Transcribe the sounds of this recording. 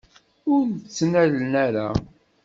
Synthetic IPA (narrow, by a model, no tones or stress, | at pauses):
ʊɾt͡sːnælnæɾa̰